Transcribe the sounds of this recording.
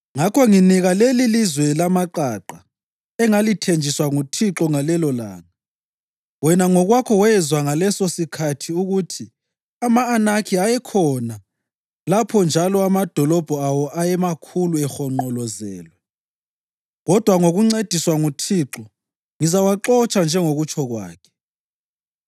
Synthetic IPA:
ŋakʰɔŋiniɣalelilizwɛlamaǃaǃa | ɛŋalitʰend͡ʒʱiswaŋutʰiǁɔŋalɛlɔla̰ːŋa | wɛnaŋɔɣwakʰɔwɛzwaŋalɛsosikʰatʰiuɣutʰi | amaːnakʰiajɛkʰɔna | lapʰɔnd͡ʒʱalɔamad̥ʱɔlɔb̥ʱɔawɔʔajɛmakʰuluɛxɔŋ͡ǃɔlɔzɛ̰ːlwɛ | ɣɔd̥ʱwaŋoɣuŋ͡ǀed̥ʱiswaŋutʰiːǁɔ | ŋizawaǃɔt͡ʃʼand͡ʒʱɛŋoɣut͡ʃʰɔɣwa̰ːkʰɛ̥

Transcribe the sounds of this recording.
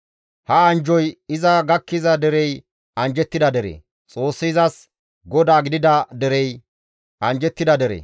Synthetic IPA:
hɐɐnd͡ʒɔjɪzɐɡɐkːɪzɐd̪ɛɾɛj | ɐnd͡ʒɛt̪ːɪd̪ɐd̪ɛɾḛː | t͡sʼo̞ːsːɪɪzɐs | ɡɔd̪aːɡɪd̪ɪd̪ɐd̪ɛɾɛj | ʔɐnd͡ʒɛt̪ːɪd̪ɐd̪ɛɾḛː

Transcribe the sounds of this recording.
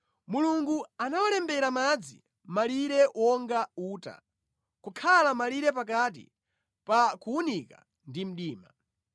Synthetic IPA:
muluŋɡuanawalɛmbɛɾamad͡zḭ | maliɾɛwʔɔŋɡauːta̰ | kukʰalamaliɾɛp̬ak̬at̬ḭ | pakuunika | ndim̩ɗiːma

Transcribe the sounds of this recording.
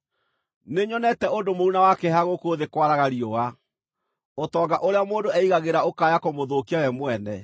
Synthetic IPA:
neɲɔnɛtɛondomounawakɛhaɣokoːðekwaɾaɣaɾiɔa | otɔɡaʔoɾeamoːndoɛiɣaɣeɾaokajakomoðokiawɛmwɛnɛ̰

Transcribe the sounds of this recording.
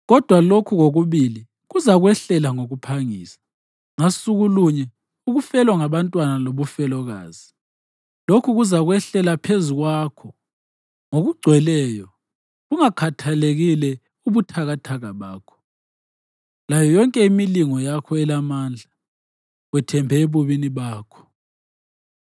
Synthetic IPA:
ɣɔd̥ʱwalokʰuɣoɣuβili | ɣuzaɣwɛɬɛlaŋoɣupʰaŋiːsḁ | ŋasuɣuluɲɛ | uɣufɛlwaŋaβantʼwanaloβufɛlɔɣa̰ːzi | lokʰuɣuzaɣwɛɬɛlapʰezuɣwakʰɔ | ŋoɣuɡ͡ǀʱwɛlɛːjɔ | ɣuŋakʰatʰaleɣilɛ | uβutʰaɣatʰaɣaβaːkʰɔ̥ | lajɔjɔŋkʼɛimiliŋɔjakʰɔɛlamaːnd͡ɮʱa | wɛtʰɛmbʱɛeβuβiniβaːkʰɔ̥

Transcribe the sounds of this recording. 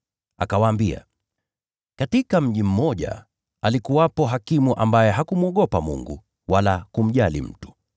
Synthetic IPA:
a̰kawaːmbia̰ | katikam̩ʄim̩mɔʄa̰ | alikuwapɔɦakimuʔambajɛɦakumwɔɠɔpamṵŋɡṵ | walakum̩ʄalḭm̩tu̥

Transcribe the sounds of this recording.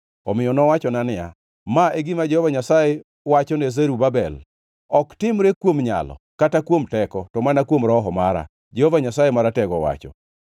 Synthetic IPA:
ɔmɪjɔnɔwat͡ʃɔnanɪja̰ | maeɡɪmad͡ʒɛhovaɲasaje | wat͡ʃɔnezeɾubabɛl | ɔktɪmɾekwomɲa̰lɔ̰ | katakwomtɛkɔtɔmanakwomɾɔɦɔmaɾa̰ | d͡ʒehovaɲasajemaɾatɛɡɔwa̰t͡ʃɔ̰

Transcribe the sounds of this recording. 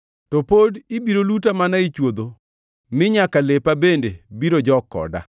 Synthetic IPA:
tɔpodibiɾolutamanait͡ʃwod̪o | mɪɲakalepabendebiɾod͡ʒɔkɔ̰da̰

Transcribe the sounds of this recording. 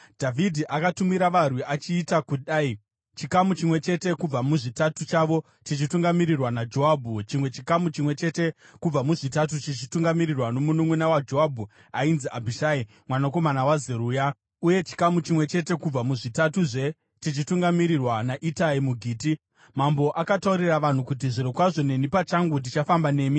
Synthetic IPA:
dʱavʱidʱiʔakatumiɾaʋarwiat͡ʃiːtakuɗai | t͡ʃikamut͡ʃimwe̞t͡ʃe̞te̞kub͡vamuʐitatut͡ʃaʋo̞ | t͡ʃit͡ʃituŋɡamiɾirwanad͡ʒo̞ɦaːbʱut͡ʃimwe̞t͡ʃikamut͡ʃimwe̞t͡ʃe̞te̞ | kub͡vamuʐitat̬ut͡ʃit͡ʃituŋɡamirirwano̞munumwenawad͡ʒo̞ɦabʱu | ainziʔabʱiʃaːi | mwanako̞manawazeɾuːja | uje̞t͡ʃi̥kamut͡ʃimwe̞t͡ʃe̞te̞kub͡vamuʐitatuʐe̞ | tit͡ʃituŋɡamiɾirwanaʔitaimuɡʱiːti | mambo̞ʔakatauɾiraʋan̤ukut̬iʐiɾokwaʐo̞ne̞nipat͡ʃaŋɡut̬it͡ʃafambane̞ːmi

